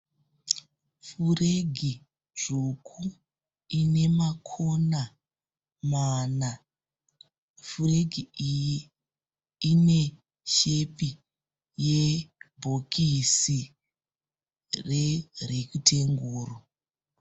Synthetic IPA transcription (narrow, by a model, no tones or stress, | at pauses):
fureɡʱi | ʐ̥ukʰu | ine̞makʰona | mana | fure̞ɡʱiiji | ine̞ | ʃepi | jebʱokisi | rerekutʰeŋɡuːro